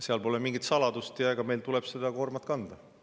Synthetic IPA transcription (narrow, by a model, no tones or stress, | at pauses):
seɑlpo̞lemiŋɡit̪sɑlɑd̪̥ust̪jɑɡ̥ɑme̞jlt̪ulɛb̥se̞d̪̥ɑko̞rmɑt̪̚kɑnd̪̥ɑ